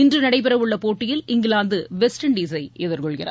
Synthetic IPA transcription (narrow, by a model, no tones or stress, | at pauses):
ɪndrɯnɐɽɐɪpːɪɾɐʋɯɭːɐpoːʈːɪjɪlɪŋɡɪɭaːnd̪ɯʋɛsʈɐɳɖiːs̬ɐɪʔɛðɐɾkɔɭkɪrɐ̰ɾ